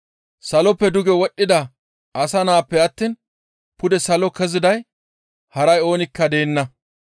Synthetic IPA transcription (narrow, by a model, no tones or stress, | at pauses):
sɐlɔpːɛd̪ʊɡɛwɔɗːɪd̪ɐ | ɐsɐnaːpːɛɐt̪ːiːn | pʊd̪ɛsɐlɔkɛzɪd̪ɐj | hɐɾɐjo̞ːnɪkːɐd̪e̞ːnːɐ